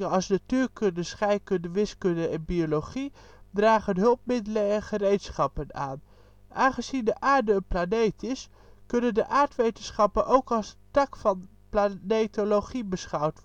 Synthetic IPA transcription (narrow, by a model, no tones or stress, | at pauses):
ɑlˠsnatyːɹkɵndəsχɛjkɵndəʋɪskɵndəɛnbioloχi | draːχənɦɵlˠp̚mɪdələəχərejtsχɑpəna̰ːn | ʔaːnχəzindəʔaːɹdəənplanejtɪs | kɵnəndəʔaːɹtʋejtənsχɑpənʔowkɑlˠsətɑkfɑn | planejtoloχibəsχɑwt